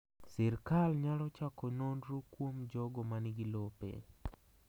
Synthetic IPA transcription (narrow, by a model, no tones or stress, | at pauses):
sɛrkalɲalɔt͡ʃakononɾokwomd͡ʒɔɡɔmanɪɡɪlopḛ